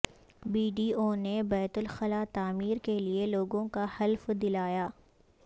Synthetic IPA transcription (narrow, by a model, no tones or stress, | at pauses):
biːɖiːoːnebɛːt̪ʊlxɐlaːt̪aːmiːɾkelieloːɡõkahɐlfd̪ɪlaːjaː